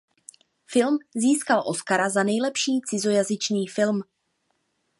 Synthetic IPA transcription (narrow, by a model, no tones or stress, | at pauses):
fɪlmziːskalʔo̞skaɾazanɛjlɛpʃiːt͡sɪzo̞jazɪt͡ʃniːfɪlm